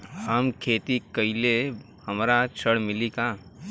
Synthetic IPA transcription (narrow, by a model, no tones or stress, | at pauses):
həmkʰeːt̪ikəile | hɐmɾat͡ʃʰəɽmɪlikaː